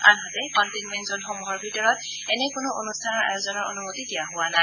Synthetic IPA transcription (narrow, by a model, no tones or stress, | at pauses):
a̰nɦɔzɛkɔntinmɛntzɔnxɔmuɦɔɹbʱitɔɹɔt̚ | ɛnɛkʊnʊʔo̰nustʰanɔɹa̰jozɔnɔɹo̰numotidijaɦʊwana